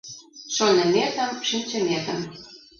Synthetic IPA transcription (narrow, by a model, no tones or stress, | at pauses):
ʃonə̆met̪ə̆mʃinʲt͡ɕəmʲet̪ə̆m